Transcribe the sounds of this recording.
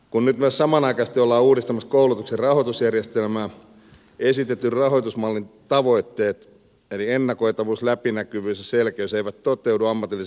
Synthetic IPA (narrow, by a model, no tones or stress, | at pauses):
kunnyt̪myøssɑmɑnɑikɑst̪iolːɑːuːdist̪ɑmɑskoulut̪ukserɑhot̪usjærjest̪elmæː | esit̪et̪ːyrrɑɦo̞jt̪usmɑlːint̪ɑʋo̞it̪ːe̞ːt̪ | elienːɑko̞jt̪ɑʋuːslæpinækyʋyːsjɑselkæoseiʋæt̪t̪ːot̪euduɑmːɑt̪ili